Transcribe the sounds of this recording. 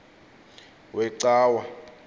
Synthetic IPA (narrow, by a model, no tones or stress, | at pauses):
wʔɛǀaːwa